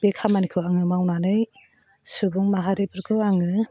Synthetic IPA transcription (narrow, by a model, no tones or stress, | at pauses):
b̥ekʰamanikʰɯaŋɯmawnanɯj | subuŋmaɦaɾepʰɯɾkʰɯaŋɯ